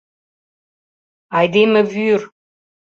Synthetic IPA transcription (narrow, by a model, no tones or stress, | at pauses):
ajd̪eməvyr